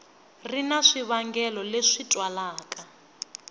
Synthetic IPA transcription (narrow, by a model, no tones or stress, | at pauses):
rinaʂiβaŋɡɛlɔleʂitʼwalaːkʼa